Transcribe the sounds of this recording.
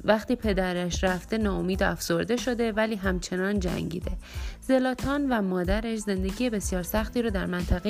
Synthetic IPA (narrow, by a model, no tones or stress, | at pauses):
væxt̪iːpʰe̞d̪æɾæʃræft̪e̞nɒːomiːd̪æfz̥o̞ɾd̪e̞ʃo̞d̪e̞væliːɦæmt͡ʃʰe̞nɒːnd͡ʒæ̰ŋɟḭːd̪e̞ze̞lɒːt̪ʰɒːnvæmɒːd̪æɾeʃze̞nd̪e̞ɟiːje̞be̞sjɒːɾsæxt̪iːɾɒːd̪æɾmænt̪ʰæɣe